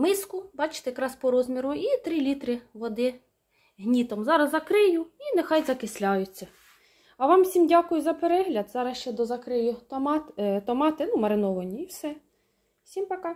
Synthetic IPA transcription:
mɪskʊbɑt͡ʃɪ̥t̪ɛjɐkɾɑspɔɾɔzmʲiɾʊit̪ɾilʲit̪ɾɪʋɔd̪ɪ | ɦnʲit̪ɔmzɑɾɐzɐkɾɪjʊinexɑjzɐkɪsʲlʲɑjʊt͡sʲːɐ | ɐʋɑmsʲimdʲɑkʊjʊzɐpeɾɛɦlʲɐd̪zɑɾɐsʃt͡ʃɛd̪ɔzɐkɾɪjʊt̪mɑt̪t̪ɔmɑt̪ɪnumɐɾɪnɔʋɐnʲiiwsɛ | wsʲimpɐkɑ

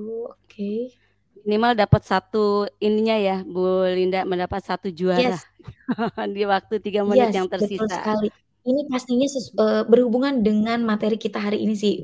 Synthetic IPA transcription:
ookʰe | minimaldapat̪̚sat̪uiniɲajabolindaməndapat̪̚sat̪ud͡ʒuaɛla | diwak̚t̪ut̪iɡaməjnɪtjaŋt̪ərbəsiʊlsaə̰kali | inipasniɲasʊsəːbərhubuŋandəŋanmat̪eɾikit̪aɦaɾiʔːnisɪh

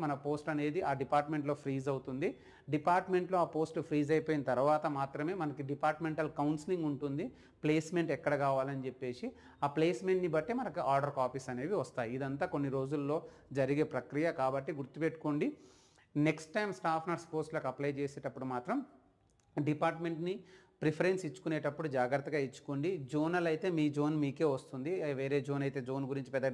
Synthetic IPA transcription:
mɐnɐpo̞ːsʈɐne̞ːd̪iʔaːɖipaːɾʈme̞ɳʈlo̞ːpʰɾiːzɐwt̪und̪i | ɖipaːɾʈme̞ɳʈlo̞ːaːpo̞ːsʈpʰɾiːzɐjpoːjinɐt̪ɐɾʋaːt̪ɐmaːt̪ɾɐme̞ːmɐnɐkiɖipaːɾʈme̞ɳʈɐlkɐwnsiliŋɡuɳʈund̪i | ple̞ːsme̞ɳʈɛkːɐɽɐkaːʋaːlɐnit͡ʃe̞pːe̞ːsi | aːple̞ːsme̞ɳʈnibɐʈːemɐnɐkiʔaːɾɖɐɾkaːpiːsɐne̞ːʋiʋɐst̪aːjiid̪ɐnt̪aːko̞nːiɾo̞ːd͡ʒulːo̞ː | d͡ʒɐɾiɡe̞ːpɾɐkɾijɐkaːbɐʈːiɡuɾt̪ːupeʈːu̥koɳɖi | ne̞ksʈːɐjmsʈaːpʰnɐɾspoːɾslɐːkɐplɐjt͡ʃeːseːʈɐpːuɽumaːt̪ɾɐm | ɖipaːɾʈme̞ɳʈni | pɾipʰɐɾe̞nsit͡ʃːu̥kuneːʈɐpːuɽud͡ʒaːɡɾɐt̪ːɐɡaːit͡ʃːu̥koɳɖid͡ʒoːnɐlɐjt̪e̞ːmiːd͡ʒo̞ːnmiːke̞ːʋɐst̪und̪iʋe̞ːɾe̞ːd͡ʒoːnɐjt̪e̞ːd͡ʒo̞ːnɡuɾiɲt͡ʃi̥pɛd̪ːɐ

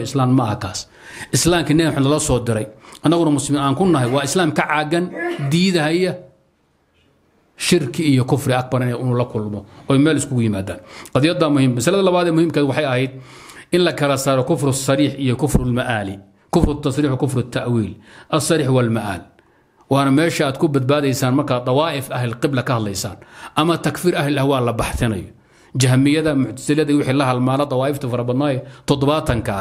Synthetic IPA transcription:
ɪslaːmːɐʔkʰaːs | ʔɪslaːmkʰɐnɛħʊnlɐlɐsɔːd̪ɪɾɛjʔɐnːɐɣʊnɐmʊslɪminaːŋkʰʊnːɐɦɛjwɑːɪslaːmkʰɐʕɑːɡɐnd̪iːðɐɦɛjɐ | ʃɪrkʰɪːjɔkʰʊfrɪɐk̚bɐɾɐnɛɪnuːlɐkʰʊlmɔɔːɛjmɛːlɪskʰʊɣʊjɪmaːd̪a̰ːnqɑðijɐd̪aːmʊhiːmmːɐsɐlɐðɐlɐβaːðɛːmʊhiːmkɐːwɑħɑjɐɦɛjd̪̚ | ʔɪnlɐkʰɐlɐsaːɾɔkʰʊfɾʊsɑɾiːħʔijɔkʰʊfɾʊlmɐʔaːlɪ | kʰʊfɾʊt̪ʰːɑsɾiːħwkʊfɾʊt̪ʰːɐʔwiːlʔɐsːɑɾiːħwɐlmɐʔa̰ːl | wɑːnɐmɛːʃɐaːd̪kʰʊbɐd̪̚baːðɛjsaːnmɐrkʰaːt̪ˤɑwɑːʔɪfʔɐɦɪlqɪblɐkʰɐhɐd̪lɐjsa̰ːnʔɐmɐt̪ʰɐkfiːɾɐɦlɪɐhwɑːlɐbɑħt̪ɪnɐ̰jɔ | d͡ʒɐɦmɪjɐðɐmʊħt̪ʰɐ̥sɪlijɐðɐwɪħiːlɐɦɐlmaːnɐt̪ˤɑwɑːɪft̪ʰɐfɐɾɐbɐd̪naːjɛt̪ʰɔd̪ɔβaːt̪ʰɐŋkʰa̰

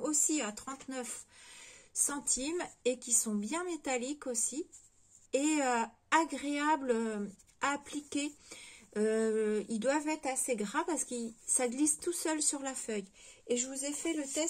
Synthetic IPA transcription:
osiat̪χɑ̃t̪nœf | sɑ̃t̪ʰimekʲisɔ̃bjɛ̃met̪alikosi | eø | aɡʁeablø | aːplikʲe | øild̪wavɛt̪χaseɡʁavpaʁsə̥kisaɡlist̪usœlsyʁlafœj | eʒəvuzefɛlət̪ɛ

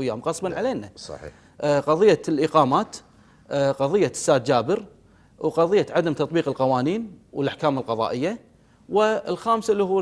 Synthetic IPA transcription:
jːaːmqɑsˤbɑnʕaleːnaɑ̰ | ʔqɑðˤɨjːalʔɪqɑːmaːt̪ | qɑðˤɨjːasːaːd̪̚d͡ʒaːbəɾ | wqɑðˤɨjːaʕad̪amt̪ɑt̪ˤbiːqɪlqɑwɑːniːnwəlʔaħkaːmɪlqɑðˤɑ̰ːʔɪjːa | wɪlxaːmsalːihuː

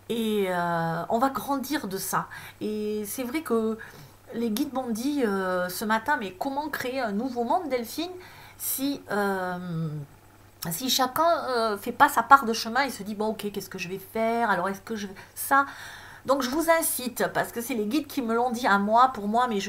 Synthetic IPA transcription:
eøɔ̰̃vaɡʁɑ̃d̪iʁd̪əsaesɛvʁɛkə | leɡʲid̪̚mɔ̃d̪iøsəmat̪ɛ̃mɛkɔmɑ̃kχeeɛ̃nuvomɑ̃d̪d̪ɛlfinsiøm | siʃakʲɛ̃øfɛpasapaʁd̪əʃəmɛ̃isəd̪ibɔ̃okʲekʲɛskəʒəvɛfɛʁalɔʁɛskəʒəvɛsa | d̪ɔ̃kʒəvuzɛ̃sit̪paʁsə̥kəsɛleɡʲid̪kʲʰiməlɔ̃d̪iamwapuʁmwamɛʒə

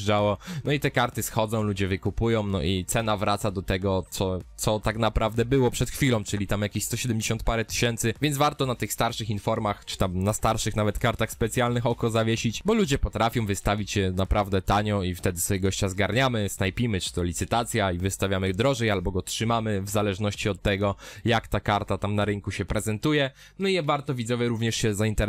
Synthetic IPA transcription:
ʐd͡ʐawɔnnɔit̪ɛkaɾt̪ɘsxɔd̪zɔ̃w̃lud͡ʑɛvɘkupujɔ̃w̃nɔ̰ʔit̪sɛnavɾat̪sad̪ɔt̪ɛɡɔt̪sɔt̪sɔt̪aknapɾʔavd̪ɛbɘwɔpʂɛt̪xfʲilɔ̃w̃t͡ʂɘlʲit̪amjakʲiɕst̪ɔɕɛd̪ɛmd͡ʑeɕɔnt̪paɾɛt̪ɘ̥ɕɛnt̪sɘvʲjɛnzvaɾt̪ɔnat̪ɘxst̪aɾʂɘxinfɔɾmaxt͡ʂɘ̥t̪amnast̪aɾʂɘxnavɛt̪kaɾt̪axspɛt̪sʲjalnɘxɔkɔzavʲjeɕit͡ɕbɔlud͡ʑɛpɔt̪ɾafʲjɔ̃w̃vɘst̪avʲit͡ɕɕɛnapɾʔavd̪ɛt̪aɲɔift̪ɛd̪ɘsfɛjɛɡɔɕt͡ɕazɡaɾɲamɘsnajpʲimɘt͡ʂɘ̥t̪ɔlʲit̪sɘt̪at̪sʲjaivɘst̪avʲjamɘd̪ɾɔʐɛjalbɔɡɔtʂɘmamɘvzalɛʐnɔɕt͡ɕiɔt̪ːɛɡɔjakt̪akaɾt̪at̪amnaɾɘŋkuɕɛpɾɛzɛnt̪ujɛ | nɔijɛvaɾt̪ɔvʲid̪zɔvʲjɛɾuvɲɛʂɕɛzaint̪ɛɾ

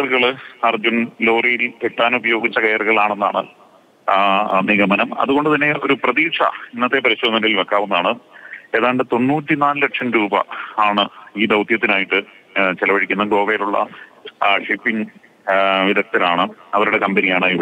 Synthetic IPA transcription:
ɐrɣɐɭɐrd͡ʑunlo̞ːrijileʈːaːnubɐjo̞ːɡit͡ɕːɐkɐjɐrɣɐɭaːɳe̞nːa̰ːɳɨ | niɣɐmɐnɐmɐ̰ðuɣo̞ɳɖɨt̪ɐnːe̞o̞ɾuprɐðiːʂɐ̰inːɐt̪ːe̞pɐɾiɕːonːɐnɐilʋekːaːʋunːaːɳɨe̞ːðaːjɳɖet̪o̞nːuːtːinaːnleʈʂɐmɾuːbɐ̰aːɳɨiːd̪ɐwt̪jɐt̪ːinaːjiʈːɨ | t͡ɕelɐʋɐɽikʲːunːɐɡo̞ːʋejiluɭːɐ̰ | ʂipːiŋ | ʋiðɐk̚t̪ːɐlaːɳɨɐʋɐɾuɽe̞kɐmbenijaːɳɨi

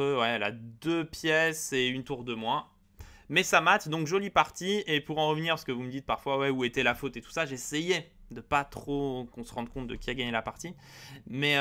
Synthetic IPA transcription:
øwɛɛla̰d̪øpjɛseynt̪uʁd̪əmwã | mɛsamat̪d̪ɔ̃kʒɔlipaʁt̪iepuʁɑ̃ʁəvniʁsə̥kəvuməd̪it̪̚paʁfwawɛuet̪ɛlafot̪et̪u̥saʒeseje | d̪əpat̪χokɔ̃səʁɑ̃d̪̚kɔ̃t̪̚d̪əkʲiaɡaɲelapaʁt̪i | mɛ

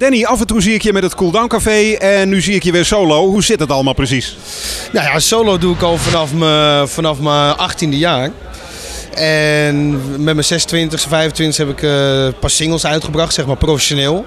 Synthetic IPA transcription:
d̥ɛniafəntuziɪkjəmɛtətkulˠdawnkafeːɛnːyziɪkjəʋɪsowlowhuzɪtdɔtɑlˠəmaːlˠprəs̬is | najasowloːduɪkɔlˠfanɑfməfanɑfməʔaxtindəjaːr | ɛnmɛtməsɛsəntʋɪntəxsəfɛjvəntʋɪntəxhɛpɪkpasɪŋəlˠsœɥtχəbrɑχtsɛxmaɹprofɛʃonɪːlˠ

